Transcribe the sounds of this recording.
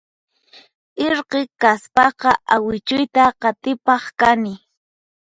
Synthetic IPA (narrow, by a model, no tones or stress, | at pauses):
ɪɾqekaspɑqɑʔawɪt͡ʃʊjt̪aqɑt̪ɪpɑχkanɪ